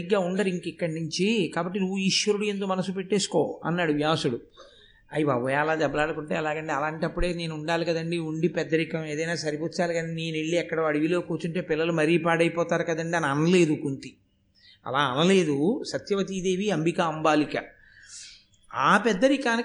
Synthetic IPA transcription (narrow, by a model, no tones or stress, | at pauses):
iɡːaːuɳɖɐɾiŋkikːɐɽɐnuɲt͡ʃikaːbɐʈːinuʋːuiːʂʋɐɾuɽuend̪oːmɐnɐsupeʈːe̞ːsu̥ko̞̰ːɐ̰nːaːɽuʋjaːʋsuɽu | ɐjiʋaːʋɐjaːlaːd̪ɐbɐlaːɽukuɳʈe̞ːɐlaːɡɐɳʈeːɐlaːɳʈɐpːuɽe̞ːne̞ːnuuɳɖaːlikɐd̪ɐɳɖiuɳɖipɛd̪ːɐɾikɐme̞ːd̪ɐjnaːsɐɾiput͡ʃaːliɡɐniniːneɭːiɛkːɐɽɐɐɽiʋilo̞ːkuːt͡ʃuɳʈeːpilːɐlumɐɾiːpaːɽɐjpɔːt̪aːɾukɐd̪ɐɳɖiɐnɐnɐle̞ːd̪ukunt̪i | ɐ̰laːɐnɐle̞ːd̪usɐt̪jɐʋɐt̪̬iːd̪e̞ːʋiɐmbikɐɐmbaːlikɐ | aːpɛd̪ːɐɾikaːni